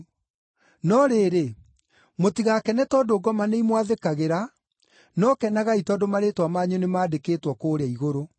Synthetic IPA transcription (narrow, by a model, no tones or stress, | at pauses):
nɔɾeɾe | motiɣakɛnɛtɔdoɡɔmaneimwaðekaɣeɾa | nɔkɛnaɣaitɔdomaɾetwamaɲunemaːdekeːtwɔkoːɾeaiɣoɾo